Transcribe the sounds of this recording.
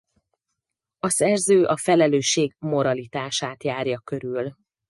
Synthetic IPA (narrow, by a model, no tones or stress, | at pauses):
ɒsɛrzøːʔɒfɛlɛløːʃːeːɡmo̞ɾɒlit̪aːʃaːt̪jaːrjɒkø̞ɾyl